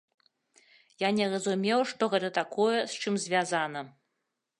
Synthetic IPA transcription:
janʲɛrɐzumʲɛwʂt̪ɔɣɛt̪ɐt̪akɔjɛst͡ʂɨmzʲvʲazanɐ

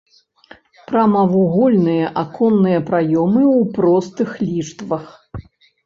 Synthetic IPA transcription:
pɾɐmɐvuɣɔlʲnɨjɐʔakɔnːɨjɐpɾajɔmɨwpɾɔst̪ɨxlʲiʂt̪vɐx

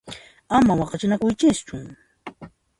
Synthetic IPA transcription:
amawɑqɑt͡ʃɪnakʊjt͡ʃɪst͡ʃʊ

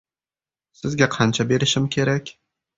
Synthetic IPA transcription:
sɪzɡʲaqʰɑnt͡ʃʰabe̞ɾɪʃɪmkʲʰe̞ɾakʲ

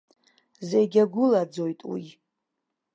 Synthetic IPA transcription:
zejɡʲaɡʷʊlad͡zojtʼwi

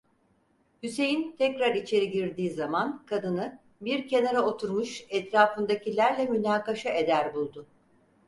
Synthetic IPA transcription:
hyse̞jint̪ʰɛcɾaɾit͡ʃʰe̞ɾiɟiɾd̪iːzamankʰad̪ɯnɯ | biɾce̞naɾao̞t̪ʰuɾmuʃɛt̪ɾaːfɯnd̪acilʲæɾlʲɛmynaːkaʃaʔe̞d̪æɾbulˠd̪ʊ

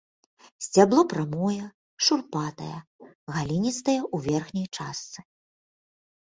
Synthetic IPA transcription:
zʲd͡zʲablˠɔpɾamɔjɛ | ʂurpat̪ɐ̰jɛ | ɣalʲinʲit̪st̪ɐjɛʔuvʲɛrxnʲɐjt͡ʂast̪sɨ̥

